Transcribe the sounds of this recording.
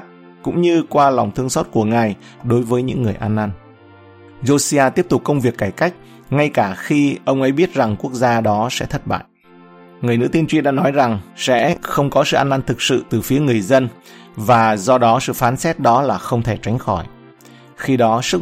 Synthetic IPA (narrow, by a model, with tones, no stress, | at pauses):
kʊ̰˧˥ŋ͡mɲɨ˧kwaː˧la˨˩wŋ͡mt̪ʰɨ˧əŋsɔ˦˥t̚ku˧˩əŋaː˨˩j | ɗo˨˦jvəː˨˦jɲɨ̰˧˥ŋːɨ˨˩əjʔaː˧nʔaː˧n | zo˧si˧aː˧t̪i˦˥əp̚t̪ʊ˨˩k͡p̚kːə˧wŋ͡mvi˨˩əkːaː˧˩jka˦˥jk̟̚ | ŋa˧jkaː˧˩xi˧ʔə˧wŋ͡mʔə˨˦jɓi˦˥ət̚za˨˩ŋku˦˥ək̚zaː˧ɗɔ˨˦sɛ̰˧˥t̪ʰə˦˥t̚ɓa̰ː˧˨j | ŋɨ˨˩əjnɨ̰˧˥t̪i˧nt͡ɕwi˧nɗa̰ː˧˥nɔ˨˦jza˨˩ŋsɛ̰˧˥xə˧wŋ͡mkɔ˨˦sɨ̰˧˨ʔaː˧nʔaː˧nt̪ʰɨ˨˩k̚sɨ̰˧˨t̪ɨ˨˩fi˨˦əŋɨ˨˩əjzə˧n | vaː˨˩zɔ˧ɗɔ˨˦sɨ̰˧˨faː˨˦nsɛ˦˥t̚ɗɔ˨˦laː˨˩xə˧wŋ͡mt̪ʰe˧˩t͡ɕa˨˦jŋ̟xɔ˧˩j | xi˧ɗɔ˨˦sɨ˦˥k